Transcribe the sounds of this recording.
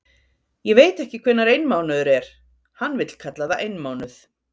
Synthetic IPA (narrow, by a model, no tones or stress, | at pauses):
jɛɣveːjt̪ɛhcɪkʰvɛnːaɾejnmaːwnaðʏɾɛɾ̥ | hanːvɪt̪l̥kʰat̪laðaʔejnmaːwnʏθ